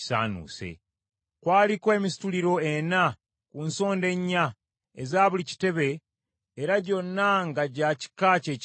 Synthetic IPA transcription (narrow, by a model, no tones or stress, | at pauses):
sa̰ːnṵːsḛ | kwaːlikoe̞ːmisi̥tuliɾo̞ena | kunso̞ːnde̞ɲːa | ezaːβulici̥te̞βe̞ː | ɾaɟo̞nːaŋɡaɟaci̥kace̞ːc